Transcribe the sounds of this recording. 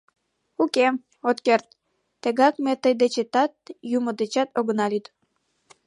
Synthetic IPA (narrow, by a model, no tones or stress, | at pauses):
uke | ot̪kert̪̚ː | eɣɑk̚met̪əjd̪et͡ɕet̪ɑt̪̚jumod̪et͡ɕɑt̪oɣənɑlyt̪